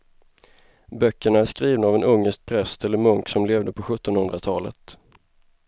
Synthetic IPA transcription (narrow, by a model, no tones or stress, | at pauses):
bœkːəɳaæʂkɾiːvnaːvɛnɵŋːəsʂk̚pʰɾɛst̪ɛlːəɾmɵŋksɔmleːvd̪əpʰɔɧɵt̪ːɔnhɵnd̪ɾat̪ʰɑːlə̰t̪